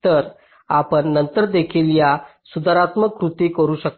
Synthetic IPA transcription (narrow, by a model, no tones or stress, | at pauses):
t̪əɾ | apəɳːənt̪əɾd̪ekʰiljasud̪əɾat̪məkɾut̪ikəɾuːɕək̚